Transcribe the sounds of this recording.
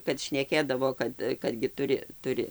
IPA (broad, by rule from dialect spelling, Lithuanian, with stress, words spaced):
kɐt ʃʲnʲɛˈkʲeːdɐʋoː ˈkɐt kɐt ɡʲɪ ˈtʊrʲɪ ˈtʊrʲɪ